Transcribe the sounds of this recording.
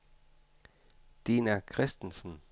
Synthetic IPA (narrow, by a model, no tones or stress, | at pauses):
d̥enækʰʁɛsd̥en̩sn̩